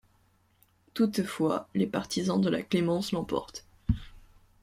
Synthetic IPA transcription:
t̪ut̪fwa̰lepaʁt̪izɑ̃d̪əla̰klemɑ̃slɑ̃pɔ̰ʁt̪

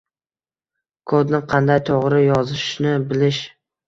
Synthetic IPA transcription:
kʰod̪nɪqʰɑnd̪ajt̪ʰoʁɾɪjɒzɪʃnɪbɪlɪʃ

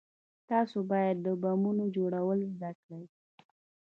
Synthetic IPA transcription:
t̪ɑsobɑjad̪ːəbamunod͡ʒoɽawəlzd̪aklaj

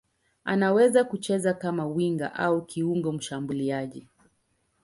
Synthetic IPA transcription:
anawɛzakut͡ʃɛzakamawiŋɡa̰ʔaukiuŋɡɔm̩ʃambuliaʄi

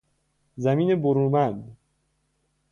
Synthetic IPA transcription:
zæmiːneboɾuːmænd̪

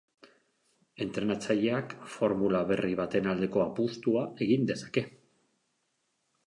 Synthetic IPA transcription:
e̞nt̪ɾe̞nat͡saʎe̞akfo̞ɾmulaβe̞riβ̞at̪e̞nald̪e̞ko̞apust̪uaʔe̞ɣind̪e̞sḁke̞

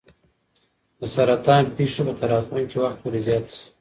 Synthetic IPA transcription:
d̪əsaɾat̪ɑːnpeʂopət̪aɾɑt̪uŋkewaxt̪wuɾezjɑt̪si̥

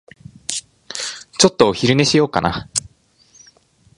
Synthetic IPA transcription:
t͡ɕo̞t̪ːoçiɾɯ̟ne̞ɕijo̞ːka̰na̰

